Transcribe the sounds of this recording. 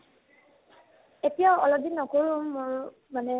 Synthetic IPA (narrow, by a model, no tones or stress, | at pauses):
etijaɔlɔd̪inːɔkoɹũmːʊɹ | manɛ